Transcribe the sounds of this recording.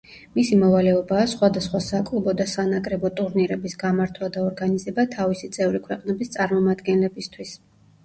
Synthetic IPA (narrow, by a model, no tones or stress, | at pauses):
misimɔvalɛɔbaːsχwad̪asχwasakʼlˠubɔd̪asanakʼɾɛbɔt̪ʼuɾniɾɛbisɡamaɾt̪ʰwad̪aɔɾɡanizɛbat̪ʰavisit̪sʼɛvɾikʰwɛqʼnɛbist̪sʼaɾmɔmad̪ɡɛnlɛbist̪ʰwis